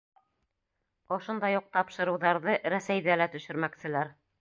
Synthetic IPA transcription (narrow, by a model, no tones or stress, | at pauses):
ŏʃond̪ɑjuq̚t̪ɑpʃɤ̆ɾɤ̆wðɑɾðɤɾæsæjðælæt̪ɵ̆ʃɘ̆ɾmæksɘ̆læɾ